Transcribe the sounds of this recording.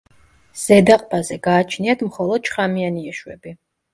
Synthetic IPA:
z̥ɛd̪aqʼbazɛɡaːt͡ʃʰniad̪ʰmχɔlˠɔd̪̚t͡ʃʰχamianiɛʃwɛbi

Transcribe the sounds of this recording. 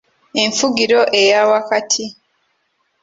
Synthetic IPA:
e̞ɱfuɡiɾo̞ʔe̞jawakatʰi

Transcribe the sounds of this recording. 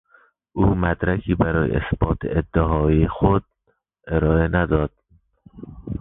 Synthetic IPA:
ʔuːmæd̪ɾækʰiːbæɾɒːjḛesb̥ɒːt̪ʰḛed̪ːeɦɒːiːexod̪̚ | ʔeɾɒːenæd̪ɒːd̪̥̚

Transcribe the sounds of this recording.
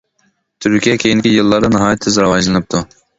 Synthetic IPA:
t̪ʰyɾkʲijɛkʲʰejinɪkʲijɨlˠːɑɾd̪ɑnɨɦɑːjɛt̪ʰːɪzɾɑwɑd͡ʒlˠɨnɨp̚t̪ʰu

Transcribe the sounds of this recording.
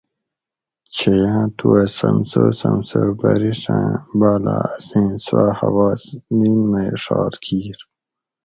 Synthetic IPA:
t͡ɕʰejãːt̪ʰuɐsɐmsosɐmsoːbɐɾiʂãbaːlasẽːnsahɐwɑːsniːnmajʂɑːɾkʰiːɾ

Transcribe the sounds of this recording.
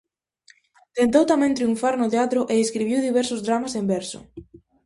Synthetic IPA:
t̪ent̪owt̪amɛ̃ŋt̪ɾiuɱfaɾnʊt̪eat̪ɾʊʔeeskɾiβiwðiβɛɾsʊzðɾamasembɛɾsʊ̰

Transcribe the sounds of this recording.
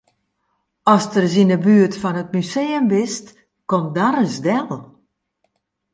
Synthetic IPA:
ɔstərs̬inəbyətfɔnət̚myseːəmbɪst | komdaɾəsdɛlˠ

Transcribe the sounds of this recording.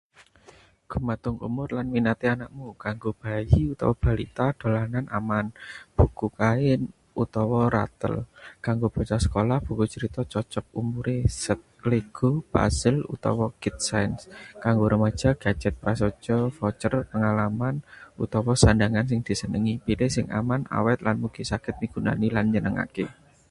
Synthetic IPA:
ɡ̥ṳmat̪ʊŋṵmʊrlanminat̪ianaʔmukaŋɡob̥ajiut̪ɔ̰wɔb̥a̤lḭt̪ad̪̥o̤lananʔa̰manb̥ṳkukaɪn | ut̪ɔwɔɾa̰t̪ə̰lkaŋɡob̥a̤t͡ʃasə̥kolahb̥ṳkut͡ʃəɾit̪ɔt͡ʃɔt͡ʃɔk̚umuɾesət̪̚leɡ̥opa̰sɪlṵt̪ɔ̰wɔɡ̥ɪt̪̚sajnskaŋɡoɾəmḁd͡ʒ̥a̤ɡ̥a̤̥d͡ʒ̥ɛt̪̚pɾasɔ̥d͡ʒ̥ɔfɔt͡ʃərpəŋalamanṵt̪ɔwɔsandaŋansɪŋd̪̥i̤sənəŋipilesɪŋʔa̰mana̰wɛt̪̚lanmuɡ̥i̤sakɪt̪̚miɡ̥ṳna̰nilanɲənəŋa̰ke

